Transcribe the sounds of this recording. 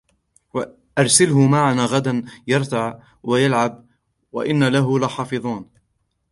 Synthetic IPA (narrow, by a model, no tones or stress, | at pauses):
wa | ʔɑɾˤsalhʊmaʕanaːɣad̪anjɑɾˤt̪aʕ | wajalʕab̚ | wa̰ʔɪnːalaɦʊlaħɑːfɨðˤuːn